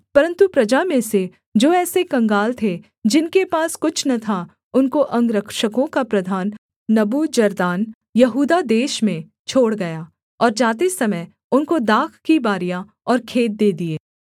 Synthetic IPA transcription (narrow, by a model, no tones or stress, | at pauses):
pɐɾə̃nt̪upɾɐd͡ʒamẽse | d͡ʒoːɛːsekɐ̃ŋɡaːlt̪ʰe | d͡ʒɪnkepaːskʊt͡ʃʰnɐt̪ʰa | ʊnkoʔɐ̃ŋɡɾɐkʃəkõkapɾɐd̪ʱaːnː | ɐbud͡ʒɐɾd̪aːn | jɐɦuːd̪ad̪eːʃmẽ | t͡ʃʰoːɽɡɐja | ɔːɾd͡ʒaːt̪esɐməj | ʊnkod̪aːkʰkibaːɾijã | ɔːɾkʰeːt̪̚d̪eːd̪ieː